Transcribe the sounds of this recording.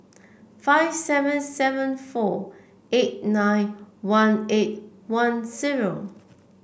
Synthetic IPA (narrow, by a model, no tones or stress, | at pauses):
faɪvsɛvə̃nsɛvə̃nfɔ | et̚nãɪ̃nwãnet̚wãnziɹo